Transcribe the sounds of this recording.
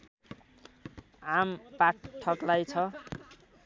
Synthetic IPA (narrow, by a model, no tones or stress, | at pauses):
ampaʈʰʌklajt͡sʰʌ